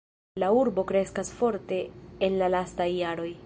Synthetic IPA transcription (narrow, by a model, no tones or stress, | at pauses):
lauɾbo̞kɾe̞skasfo̞ɾte̞ːnlalastajːaɾo̞j